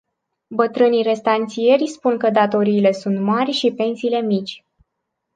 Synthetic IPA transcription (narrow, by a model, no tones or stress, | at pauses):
bət̪ɾɨnijre̞st̪ant̪sie̞rʲspunkəd̪at̪o̞ɾiːle̞sunt̪marʲʃipe̞nsiːle̞mit͡ʃʲ